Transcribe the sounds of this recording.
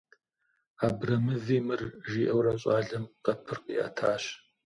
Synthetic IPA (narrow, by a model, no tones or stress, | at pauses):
aːbrɐmɨviːmɨrʒiːʔɐwrɐɕʼaːɮɐmqɐpʰɨrqḭːʔɐ̰tʰaːɕ